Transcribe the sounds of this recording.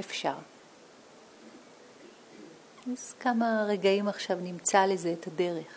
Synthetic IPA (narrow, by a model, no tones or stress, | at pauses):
efʃaʁ | az̥kamaʁe̞ɡaimaχʃavnimt͡saleze̞ːthade̞ʁeχ